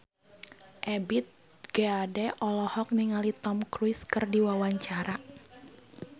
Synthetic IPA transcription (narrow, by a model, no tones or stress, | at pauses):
ʔɛbit̪̚ | ɡ̥ɛadɛʔɔlɔhɔk̚niŋalit̪ɔmkɾuɪskɨrdiwawaɲt͡ʃaɾa